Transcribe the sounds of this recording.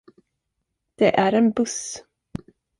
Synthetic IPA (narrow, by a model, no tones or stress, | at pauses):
d̪̥ɛʔæɾɛnbɵs